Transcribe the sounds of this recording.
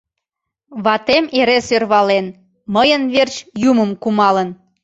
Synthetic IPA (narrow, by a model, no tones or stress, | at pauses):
βɑt̪emeɾesørβɑlen | məjənβert͡ɕjuməmkumɑlən